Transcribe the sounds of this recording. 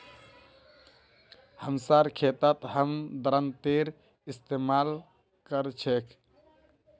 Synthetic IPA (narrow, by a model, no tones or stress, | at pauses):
həmsaɾkʰet̪ət̪ɦəmd̪ɾənt̪eɾ | ist̪emal | kəɾt͡ʃʰekʰ